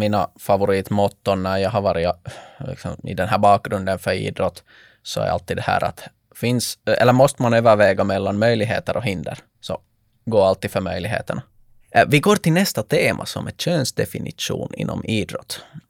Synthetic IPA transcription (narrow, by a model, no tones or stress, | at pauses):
miːnafavʊɾiːt̪mɔt̪ːɔnnæɾjɑːɦaɾʋɑːɾɪlɪ̰ksɔ̰mɪ̰d̪ɛnɦæːɾbɑːk̚ɡɾɵnd̪ənfœɾḭːd̪ɾɔt̪ː | sɔæ̰ɾʔa̰lt̪ːiːd̪d̪ɛhæ̰ːɾʔa̰t̪ | fɪnsɛ̰lːəɾmɔst̪əmanøːvəɾvɛːɡamɛlːanmœjlɪɡɦḛːt̪əɾʔɔɦɪnd̪ə̰ɾ | sɔ | ɡoːalt̪ːiːd̪fœɾmœjlɪɡɦḛːt̪əɳa | vɪɡoːɾʈ̪ɪlnɛst̪at̪ʰeːmʔasɔmʔɛt̪ɕøːnsd̪ɛfɪnɪ̰ʂṵːnɪ̰nːɔ̰miːd̪ɾɔt̪ː